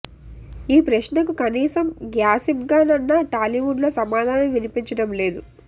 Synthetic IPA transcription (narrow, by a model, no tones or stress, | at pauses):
iːpɾɐʃnɐkukɐniːsɐmɡjaːsimɡaːnɐnːaʈaːliʋuɖloːsɐmaːd̪ʱaːnɐmʋinipiɲt͡ʃɐɽɐmle̞ːd̪u